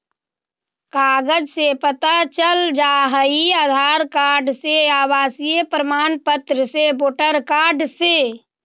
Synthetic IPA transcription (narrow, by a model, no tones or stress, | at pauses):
kaːɡəd͡ʒsepət̪at͡ʃəld͡ʒaːɦəiaːd̪ʱaːɾkaːɖseaːwaːsijəpɾəmaːnpət̪ɾəseboːʈəɾkaːɖse